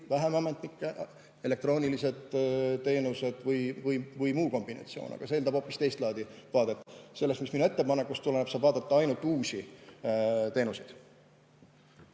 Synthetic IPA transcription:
væɦemɑmet̪nikˑːeʔ | e̞le̞k̚t̪ro̞ːnʲilise̞d̪̥t̪ːe̞ːnuse̞d̪̥vɯjvɯjvɯjmuːko̞mb̥inɑ̰t̪sioːnɑ̰ɡ̥ɑseːlɑb̥o̞ːpːˑist̪e̞jst̪lɑːd̪ivɑːd̪̥e̞t̪ːˑse̞lːest̪misminue̞t̪ːe̞pɑnekːˑust̪uleneb̥sɑːb̥vɑːd̪̥ɑt̪ːˑɑɑjnult̪ːˑuːsʲi | t̪e̞ːnusid̪̥

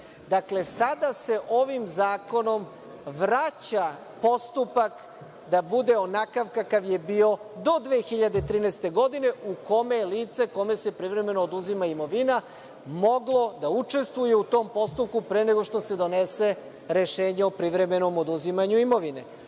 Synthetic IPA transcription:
d̪akle̞sad̪ase̞ʔoʋimzaːko̞no̞m | ʋɾat͡ɕa | po̞st̪upak | d̪abud̪e̞onakaʋkakaʋje̞bio̞d̪o̞d̪ʋeːxiʎad̪et̪ɾiːnest̪e̞ɡo̞d̪ine̞ʔuko̞me̞liːt̪se̞ko̞me̞se̞pɾiʋɾe̞me̞noːd̪uzimaimo̞ʋina | mo̞ɡlˠo̞d̪aut͡ʂe̞st̪ʋujeut̪o̞ːmpo̞st̪up̚kupɾeneɡo̞ʃt̪o̞se̞d̪o̞ne̞se̞ | ɾe̞ʃe̞ːɲeopɾiʋɾe̞me̞no̞mod̪uzimaɲuimo̞ʋine̞̰

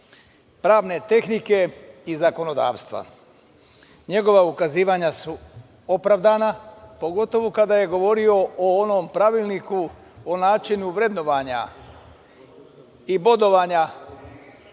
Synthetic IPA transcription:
pɾaːʋne̞t̪e̞xnike̞izako̞no̞d̪a̰ːʋst̪ʋa̰ | ɲe̞ɡo̞ʋaukaziːʋaɲasu | o̞pɾaʋd̪anapo̞ɡo̞t̪o̞ʋokad̪aje̞ɡo̞ʋo̞ɾio̞ʔoonompɾaʋilˠniku | onaːt͡ʃinuʋɾe̞d̪no̞ʋaɲa̰ | ibo̞d̪o̞ʋaɲa

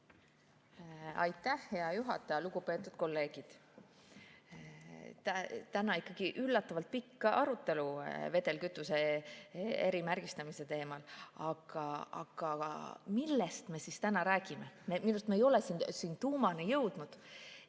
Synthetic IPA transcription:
ɑ̰jt̪ˑːæhhe̞ɑjuɦɑ̰t̪ːˑɑjɑluɡ̥upe̞ːt̪ːˑud̪̥̚ko̞lːe̞ːɡ̥id̪̥ | t̪æt̪ænɑikːˑɑɡ̥iʔylːɑt̪ːˑɑvɑlt̪̚pikːɑʔɑɾut̪ːe̞luve̞d̪e̞lkyt̪ːˑuse̞ | eɾimærɡ̥ist̪ɑmise̞t̪e̞ːmɑlɑɡ̥ɑɑ̰ɡ̥ɑ̰milːest̪me̞sist̪ænɑɾæːɡ̥imememinust̪me̞ːjo̞lesiːnsiːnt̪uːmɑnejɤ̞wd̪̥nud̪̥

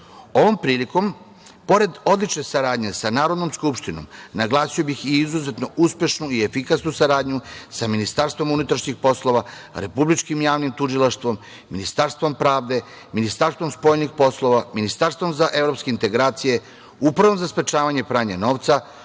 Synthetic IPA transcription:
o̞ʋo̞mpɾiːliko̞m | po̞ɾe̞d̪o̞d̪lit͡ʃne̞saɾaːd̪ɲe̞sanaːɾo̞d̪no̞mskupʃt̪ino̰mnaɡlˠaːsijo̞bixiizuze̞t̪no̞ʔuspje̞ʃnuiefikasnusaɾaːd̪ɲusaminist̪aɾst̪ʋo̞munut̪ɾaʃɲixpo̞slˠo̞ʋaɾe̞publit͡ʃkimjaːʋnimt̪uʒilˠaʃt̪ʋo̞mː | inist̪aɾst̪ʋo̞mpɾaːʋd̪e̞ | minist̪aɾst̪vo̞mspo̞jnixpo̞slˠo̞ʋaminist̪aɾst̪ʋo̞mzaʔe̞ʋɾo̞pske̞int̪e̞ɡɾaːt̪sije̞ | upɾaʋomzaspɾe̞t͡ʃaːʋaɲe̞pɾaːɲeno̞ːʋt̪sa

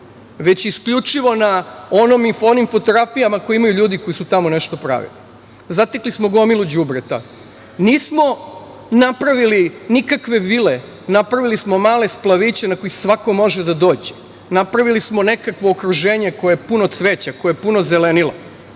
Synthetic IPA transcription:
ʋe̞t͡ɕiskʎut͡ʃiʋo̞nao̞nomifonimfo̞t̪oɡɾafijamakojimajuʎuːd̪iko̞jisut̪amone̞ʃt̪o̞pɾa̰ʋḭli | zat̪eklismo̞ɡo̞milud͡ʑubɾet̪a̰ | niːsmo̞ | napɾaʋilinikakʋe̞ʋile | napɾaʋilismo̞maːle̞splˠaʋit͡ɕe̞nako̞jisʋako̞mo̞ʒed̪ad̪o̞ːd͡ʑe̥ | napɾaʋilismo̞ne̞kakʋo̞ːkɾuʒeːɲe̞ko̞jeepunot̪sʋe̞t͡ɕakojeepunozele̞nilo̰

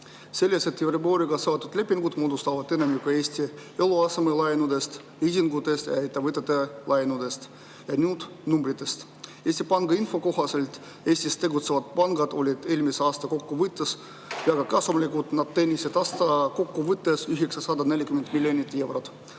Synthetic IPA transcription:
se̞lʲːeset̪ːivriboːɾiɡ̥ɑseot̪ːˑud̪̥le̞pːiŋɡud̪moːd̪ust̪ɑvɑd̪e̞nemjukɑe̞ːsʲt̪ʲieluɑsemelɑjnud̪e̞st̪ | isʲiŋɡut̪ːˑe̞st̪jɑ̰et̪ːˑevɯt̪ːˑet̪ːelʔɑjnud̪e̞st̪ | jɑnuːd̪̥ | numbɾit̪ːˑe̞st̪ | e̞ːsʲt̪ʲipɑŋɡ̥ɑinfo̞ko̞ɦɑse̞lt̪ | e̞ːsʲt̪ʲist̪ːe̞ɡut̪sevɑt̪̚pɑŋɡ̥ɑd̪o̞lʲid̪̥e̞ːlʲmiseɑːst̪ɑko̞kːuvɨt̪ːˑes | jɑɡ̥ɑkɑsumlʲikut̪nɑd̪̥t̪ːenʲːised̪ɑst̪ɑko̞kːuvɨt̪ːesyɦeksɑsɑd̪ɑne̞lʲːikyment̪milʲːjonit̪ːˑe̞wɾot̪

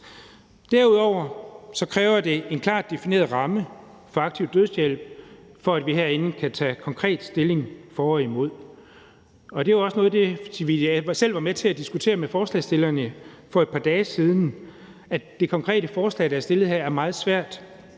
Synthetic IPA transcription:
d̥æɐuð̞̰ˠɒʊ̰ɐsɒ̽kʰʁɛːʊɐd̥e̝enkʰlɑ̰̈ːd̥e̝fine̝̰ːɐð̩ˠʁɑ̈mə | fɒ̽ɑ̈ɡ̥̚t͡sʰiʊd̥øð̞ˠsjel̰b̥fɒ̽æd̥ʋiɦeɐ̰e̝nn̩kʰæt͡sʰɛ̰ːkʰɒ̽ŋkʰʁɛ̰ːd̥sd̥e̝le̝ŋfɒːɒimo̝ð̞̰ˠ | ɒ̽d̥e̝ɒ̽sənɔ̽ːð̞̩ˠd̥e̝siʋisel̰ʋɑ̈met͡sʰe̝æd̥isɡ̥ut͡sʰe̝̰ːɐmefɒːslɛ̰ːsd̥e̝lɐnə | fɒ̽ed̥̚pʰɑ̈d̥ɛːsiːð̞ˠn̩ | æd̥e̝kʰɒ̽ŋkʰʁɛ̰ːdəfɒːslɛ̰ːd̥ɾɑɐsd̥e̝lð̩ˠhæɐ̰æɐmɑ̈ːð̞̩ˠsʋæɐ̰d̥

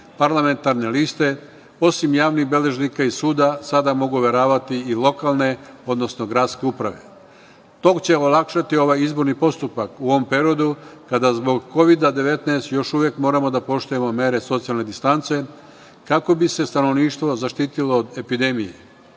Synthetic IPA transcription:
paɾlame̞nt̪aɾne̞list̪e̞ | o̞simjaːʋnixbe̞le̞ʒnikaisuːd̪asad̪amo̞ɡuʋe̞ɾaːʋat̪iilˠo̞kalˠne̞o̞d̪nosno̞ɡɾad̪ske̞upɾa̰ʋe̞̰ | t̪o̞kt͡ɕe̞olˠakʃat̪io̞ʋajizbo̞ɾnipo̞st̪upakuo̞ʋo̞mpɾeɾio̞d̪ukad̪azbo̞ɡko̞ʋid̪ad̪e̞ʋe̞t̪neest̪jo̞ʃuʋjekmo̞ːɾamo̞d̪apo̞ʃt̪uje̞mo̞me̞ɾe̞so̞t̪sijalne̞d̪ist̪ant̪se̞ | kako̞bise̞st̪ano̞ʋniːʃt̪ʋo̞zaʃt̪iːt̪ilo̞ːd̪e̞pid̪e̞mijḛ

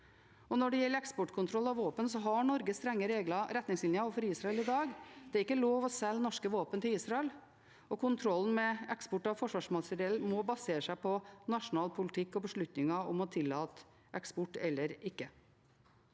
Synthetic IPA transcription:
ɔnɔɖɛjɛlːəɾɛkspɔʈkʰʊnt̪ɾɔlːɑʋʋoːpənsɔɦɑɳɔɾɡəst̪ɾɛŋːəɾeːɡlɑɾɛt̪nɪŋsɪnjəɑɔfɔɾiːsɾɑɛlɪd̪ɑːɡd̪̥ɛæɾɪkːəloːʋɔsɛlːnɔʂkəʋoːpənt̪ʰɪliːsɾɑɛl | ɔkʰʊnt̪ʰɾɔlːn̩mɛɛkspɔʈːɑʋfɔʂʋɑːʂmɑsəɾeːlmɔbɑseːɾəʂæɪpʰɔnɑʂʊnɑːlpʰʊlɪt̪ʰɪkːɔbəʂɭʉt̪nɪŋɑɔmɔt̪ʰɪlːɑːt̪ | ʔɛkspɔʈːɛlːəɾɪkːə

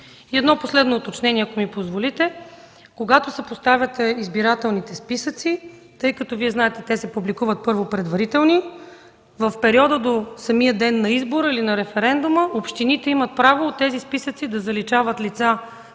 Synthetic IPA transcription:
iɛd̪nɔposlɛd̪noːt̪ot͡ʃnɛniɛɐkomipozvolit̪ɛ | koɡat̪osɛpost̪avʲjət̪ɛizbiɾat̪ɛlˠnit̪ɛspisət̪si | t̪ɤjkɐt̪ɔviɛznaɛt̪ɛt̪ɛsɛpublikuvət̪̚pɤɾvopɾɛd̪vɐɾit̪ɛlˠni | vəfpɛɾiɔd̪əd̪osɐmijəd̪ɛnːɐizboɾəilinɐɾɛfɛɾɛnd̪uməʔopʃt̪init̪ɛimət̪̚pɾavoːt̪ːɛzispisət̪sid̪ɐzɐlit͡ʃavət̪lit̪sa

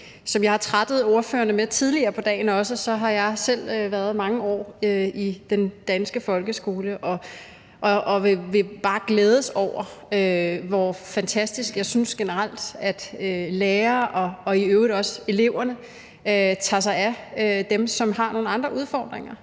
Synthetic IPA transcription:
sɒ̽mjɑ̈hɑ̈t͡sʰʁad̥ð̞̩ˠo̝ɐfø̰ːɐnəmeɐt͡sʰið̞ˠliɐːpʰɒ̽d̥ɛ̰ːɪnɒ̽səsɒ̽ɦɑ̈jɑ̈ɪsel̰øʋæɐðˠmɑ̈ŋəɒ̰ːøid̥end̥ænsɡ̥əfɒ̽lɡ̥əsɡ̥o̝ːləʔɒ̽ | ʔʔːʋeʋe̝b̥ɑ̈ːɡ̥leːð̞ˠəsɒʊ̰ɐøʋɒfænt͡sʰæsd̥isɡ̥jɑ̈ɪsynsɡ̥enəʁal̰d̥æd̥øleːɐɒ̽ɒ̽iøːʊʁidɒ̽se̝le̝ʊ̰ɐnə | t͡sʰɑ̈s̬ɑ̈ɪæød̥emsɒ̽mɦɑ̈no̝ːn̩ɑ̈nd̥ʁɐʔuð̞ˠfɒ̰ːd̥ʁeŋɐ

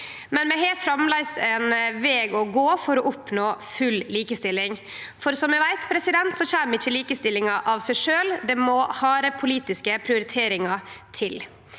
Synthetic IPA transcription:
mɛnmɛɦeːfɾɑmlæɪsɛnʋeːɡɔɡoːfɔɾɔʔʊpnoːfʉlːliːkəst̪ɪlːɪŋfɔɾsɔmɛʋæɪt̪pʰɾɛsɪd̪ɛnt̪sɔçæːmɪçːəliːkəst̪ɪlːɪŋɑʔɑʋsæɪʂøːld̪ɛmɔhɑːɾəpʰʊliːt̪ɪskəpʰɾɪʊɾɪt̪ʰeːɾɪŋɑt̪ʰɪl

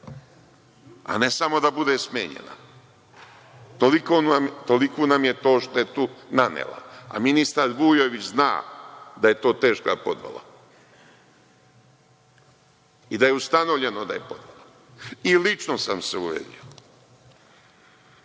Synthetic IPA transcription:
a̰nesamo̞d̪abud̪esmjḛːɲḛna̰ | t̪olikoːnamt̪olikuːnamje̞t̪o̞ːʃt̪oeet̪unanḛlˠa̰a̰minist̪aɾbuːjoʋit͡ɕzna̰ːd̪aje̞t̪o̞ːt̪e̞ːʃka̰po̞d̪ʋa̰lˠa̰ | id̪aje̞ust̪ano̞ʋʎe̞nod̪a̰jepo̞d̪ʋala | ilit͡ʃnosamseuʋḛd̪ḭo

